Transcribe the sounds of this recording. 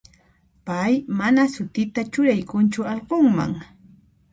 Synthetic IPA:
pajmanasʊt̪ɪt̪at͡ʃʊɾajkʊnt͡ʃʊɑlqoŋma̰ŋ

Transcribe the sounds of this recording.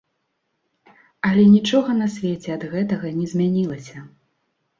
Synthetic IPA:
ɐlʲɛnʲit͡ʂɔɣɐnɐsʲvʲɛt͡sʲɛɐd̪ɣɛt̪ɐɣɐnʲɛzʲmʲanʲilˠɐsʲɐ

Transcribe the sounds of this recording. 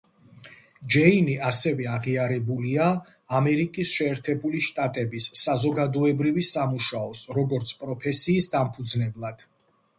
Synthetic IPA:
d͡ʒɛiniʔasɛvɛaʁiaɾɛbuliaː | mɛɾikʼisʃɛːɾt̪ʰɛbuliʃt̪ʼat̪ʼɛbisːazɔɡad̪ɔɛbɾivisamuʃaɔsɾɔɡɔɾt̪sʰpʼɾɔpʰɛsiːsd̪ampʰud̪znɛblˠad̪̥

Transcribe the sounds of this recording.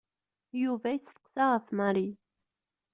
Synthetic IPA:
juvæjt͡sːθə̥qsaʁəfmaɾi

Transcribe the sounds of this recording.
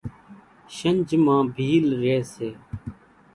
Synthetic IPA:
ʃənʲd͡ʒmãːbʱiːlɾeːseː

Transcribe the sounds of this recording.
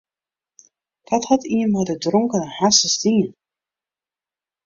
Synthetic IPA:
d̥ɔthɔtʰiənmadədrɔŋkənhasəstin

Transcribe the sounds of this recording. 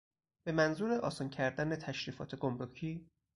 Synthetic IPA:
b̥e̞mænzuːɾe̞ʔɒːsɒncʰæɾd̪ænet̪ʰæʃɾiːfɒ̰ːt̪ʰe̞ɡo̞mɾocʰiː

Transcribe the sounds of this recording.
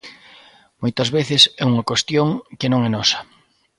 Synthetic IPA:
mojt̪ɐzβeθɪsɛuŋɐkwest̪joŋkɪnõŋɛnɔsɐ̥

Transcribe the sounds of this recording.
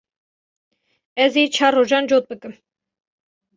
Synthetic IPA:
ɛzit͡ʃʰɑrɔʒɑnd͡ʒɔt̪̚bəkʼəm

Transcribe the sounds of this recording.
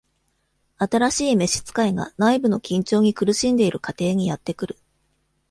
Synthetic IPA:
at̪aɾaɕiːme̞ɕi̥t͡sɨ̥kaiɡa̰naibɯ̟no̞kʲĩɲ̟t͡ɕo̞ːɲ̟ikɯ̟ɾɯ̟ɕĩnd̪e̞iɾɯ̟kat̪e̞ːɲ̟ijat̪ːe̞kɯ̟ɾɯ̟

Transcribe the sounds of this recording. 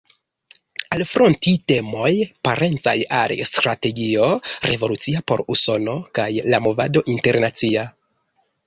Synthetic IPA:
alfɾontite̞mo̞jpaɾe̞nt͡sa̰ja̰lstɾate̞ɡio̞ɾe̞vo̞lut͡siapo̞̰ɾuso̞no̞kajlamo̞va̰do̞ʔinte̞ɾnat͡sia

